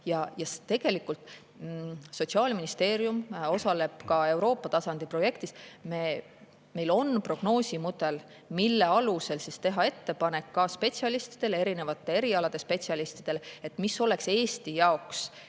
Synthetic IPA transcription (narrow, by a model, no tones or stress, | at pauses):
jɑjɑst̪e̞ɡ̥e̞likːˑult̪ˑ | so̞tsiɑːlminist̪e̞ːɾjumo̞sɑle̞b̥kɑe̞wɾo̞ːpːˑɑt̪ɑsɑnd̪̥ipro̞je̞kt̪isme̞ | me̞jlo̞npro̞ɡ̥no̞ːsʲimud̪e̞l | milːe̞ɑluse̞lsist̪e̞ɦɑe̞t̪ːe̞pɑne̞kːɑspe̞t̪siɑlist̪i̥d̪̥e̞le̞ɾine̞vɑt̪ːˑe̞e̞ɾiɑlɑd̪̥e̞spe̞t̪siɑlist̪id̪̥e̞le̞t̪ːˑmisːo̞le̞kse̞ːst̪ijɑoks